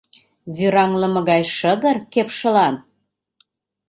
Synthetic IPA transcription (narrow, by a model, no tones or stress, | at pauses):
βyɾɑŋlə̆mɤ̆ɣɑjʃədə̆rkepʃə̆lɑn